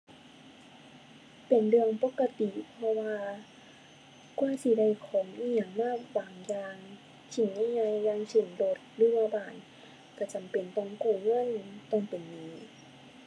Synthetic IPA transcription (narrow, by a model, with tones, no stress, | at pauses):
pe˨˩nlɯ˧əŋpo˧˥kːa˧t̪i˨pʰɔ˧waː˧ | ku˧ə˨si˧˦da˧˩˨jkʰɔː˨˦mʔiː˧a˨˩ŋmaː˧˥˩baː˨˩ŋjaː˧ŋ | t͡ɕʰi˧˩ŋɲa˧˨jɲa˧jːaː˧˨ŋsɯ˨˩nlo˧t̪̚lɯː˧˦waː˧baː˧˨˩n | ka˧˩t͡ɕa˨˩mpe˨˩nt̪ɔ˧˩ŋkuː˧˩ŋɤ˧˥˨nt̪ɔ˧˩ŋpe˨˩nːiː˨˧˦